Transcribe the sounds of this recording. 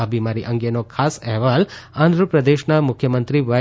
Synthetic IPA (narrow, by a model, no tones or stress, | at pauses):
ɐbʱimaːɾiʔɐŋɡenokʰaːseɦʋaːlaːnd̪ʱɾɐpɾɐd̪eːʃnɐmukʰjɐmɐnt̪ɾiʋɐ